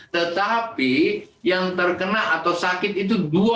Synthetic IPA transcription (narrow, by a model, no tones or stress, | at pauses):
t̪ət̪apijaŋt̪ərkənaat̪awsakɪt̪̚it̪udua